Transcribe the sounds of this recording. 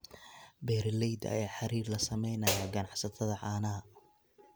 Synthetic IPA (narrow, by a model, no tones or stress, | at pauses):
bɛːɾlɛjd̪ɐ̰jaːħɑɾiːrlɐsɐmɛjnɐjɐɡɐnɑʕsɐt̪ʰɐðɐʕɑːnɐɐ